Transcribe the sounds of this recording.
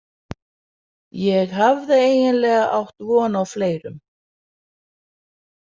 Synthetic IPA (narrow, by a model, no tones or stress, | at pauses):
jɛɣɦavðɪeːjnɪnlɛːɣaʔawht̪vɔːnawfleːjɾʏm